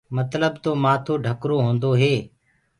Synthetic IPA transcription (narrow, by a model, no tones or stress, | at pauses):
mət̪ləbt̪oːmaːt̪ʰoːɖʱəkɾoːɦõːnd̪oːɦeː